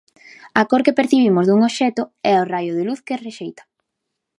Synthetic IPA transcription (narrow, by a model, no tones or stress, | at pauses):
akoɾkepeɾθiβ̞imozðuŋoβʃɛt̪ʊɛorajoðɪluθkesreʃejt̪ḁ